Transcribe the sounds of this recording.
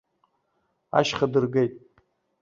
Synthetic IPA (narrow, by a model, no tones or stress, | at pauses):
a̰ʃχadɨrɡejtʼ